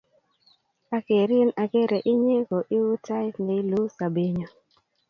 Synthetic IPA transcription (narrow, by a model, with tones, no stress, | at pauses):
a˨ke˨ɾɪ˦na˨ke˦ɾe˨ʔɪ˦ɲe˦ko˨ʔi˦wu˦ta˦tni˨˦lu˦sa˨be˦ɲo˨